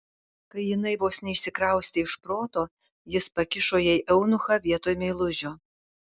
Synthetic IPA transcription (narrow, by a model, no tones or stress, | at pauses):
kɐɪjɪnɐɪʋoːsnʲɛɪʃʲsʲɪkɾɐˑʊsʲt̪ʲɪɪʃpɾoːt̪oː | jɪspɐkʲɪʃoːjɛɪʔɛʊnʊxɐʋʲiɛt̪oːjmʲɛɪlˠʊʒʲoː